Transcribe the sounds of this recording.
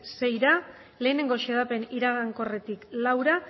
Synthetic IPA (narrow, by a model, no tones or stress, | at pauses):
se̞jɾa | le̞ːne̞ŋɡo̞ʃeðape̞niɾaɣ̞aŋko̞re̞t̪iklawɾa